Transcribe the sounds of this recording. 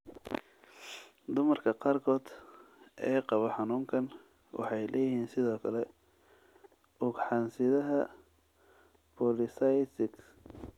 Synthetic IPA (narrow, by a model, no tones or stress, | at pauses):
d̪ʊmɐrkʰɐqɑːrkʰɔːd̪ʔɛːqɑβɔħɑnuːŋkʰɐn | wʔɑ̰ħɑjlʔɛːjɪɦiːnsɪðɔːkʰɐlɛ | ʔʊɡħɑnsɪðɐɦɐ | pʰɔlɪsɑjt̪ɪɡs